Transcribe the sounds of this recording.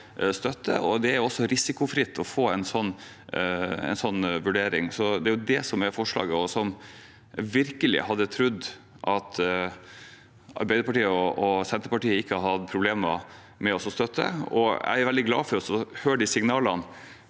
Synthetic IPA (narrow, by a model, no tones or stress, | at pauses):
st̪œt̪ːə̰ɔd̪ɛæɾjʊɔsːɔɾɪsɪkʊfɾɪt̪ʰːɔfoːɛnsɔnː | ɛ̰ɪnsɔnːʋʉɖeːɾɪ̰ŋsɔd̪ɛæɾjʊd̪ɛsɔmæɾfɔʂlɑ̰ːɡəɔsɔm | ʋɪɾkəlɪ̰hɑd̪ːət̪ʰɾʉd̪ː | ʔɑt̪ | ɑ̰ɾbæɪd̪əpɑʈiːəɔɔsɛnt̪əɾpɑʈiːəɪkːəhɑɾhɑt̪pʰɾʊbleːmə̰ | mɛɔsɔst̪œt̪ʰːə̰ɔ̰æ̰ɪæɾʋɛld̪ɪɡlɑ̰ːfɔɾɔsɔhøːɖɪsɪŋnɑːlɑn